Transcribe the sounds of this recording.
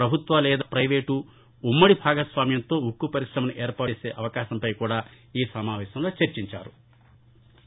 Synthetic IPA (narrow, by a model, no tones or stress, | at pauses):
pɾɐbʱut̪ʋɐlɛːd̪ɐpɾɐjʋeːʈu | umːɐɽibʱaːɡɐsʋaːmjɐnt̪o̞ːukːupɐɾiʂɾɐmɐniʔɛːɾpaːeːseːʔɐʋɐkaːʃɐmpɐjkuːɽaː | iːsɐmaːʋɛːʃɐmlo̞ːt͡ʃɐɾt͡ʃiɲt͡ʃa̰ːɾu